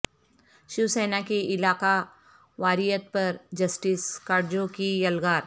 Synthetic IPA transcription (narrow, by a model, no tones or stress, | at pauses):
ʃiwseːnakiɪlaːka | ʋaːɾijət̪̚pɐɾd͡ʒɐsʈiskaːɖd͡ʒõkijɐlɡaːɾ